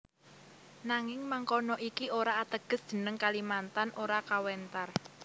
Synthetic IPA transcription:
naŋɪŋmaŋkɔnɔʔikioɾaːt̪əɡ̥ə̤sd̥ʒ̥ə̤nəŋkalimant̪anoɾakawɛnt̪ar

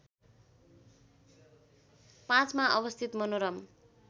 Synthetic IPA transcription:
pãt͡smaʔʌbʌst̪ʰit̪mʌnoɾʌm

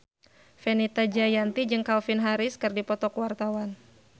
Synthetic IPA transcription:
fɛnit̪ad͡ʒajant̪id͡ʒɨŋkaufinɦaɾɪskɨrdipɔt̪ɔkuwart̪awan

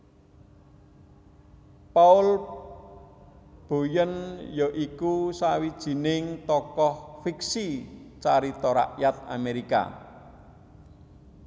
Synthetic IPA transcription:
paʊl | b̥o̤jənjɔʔikusawid̥ʒ̥i̤nɪŋt̪ɔkɔhfiksit͡ʃaɾit̪ɔɾa̰ʔjat̪̚a̰meɾika̰

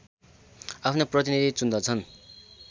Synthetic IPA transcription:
apʰnoprʌt̪inid̪ʱit͡sund̪ʌt͡sʰʌn

